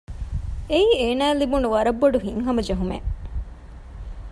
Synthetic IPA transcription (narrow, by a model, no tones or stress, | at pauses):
eieːnæːlibunuʋɐɾɐbːoɖuɦiŋɦɐmɐd͡ʒɐɦumḛ